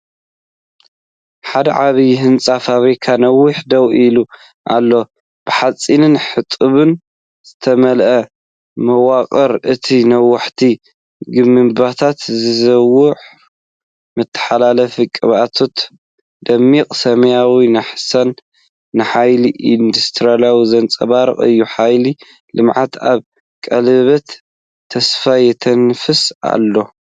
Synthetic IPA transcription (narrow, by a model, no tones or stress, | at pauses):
ħad̪ɐ̰ʕaβijɦɨnt͡sʼafaβɾikʰanɐwːʊħd̪ɐwilu | ʔa̰lːo̞ | b̥ɨħat͡sʼinɨnħɨt̪ʼɨβɨn | z̥ɨt̪ʰɐmɐlʔɐ | mɐwaqʼɐɾʔɨt̪ʰinɐwːaħt̪ʰi | ɡɨmːɨmbat̪ʰat̪zɨzɐwʊʕ | mɨt̪ʰːɨ̥ħalalɐfikʼɨβat̪ʰot̪ | d̪̥ɐmːikʼsɐmɐjawinɨħasɐnː | ɨħajliʔind̪ust̪ʰɨɾaljawizɐnt͡sʼɐ̰βaɾɨ̰qʼɨ̰jːuħajli | lɨmʕat̪ʰaβ | kʼɐlβɐt̪ʰː | ɐsfajɛt̪ʰɐnfɨsa̰lːo̞